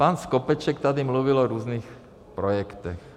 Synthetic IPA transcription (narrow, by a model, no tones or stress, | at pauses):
paːnskɔpɛt͡ʃɛkt̪ad̪imluʋilɔɾuːzniːx | pɾɔjɛkt̪ɛx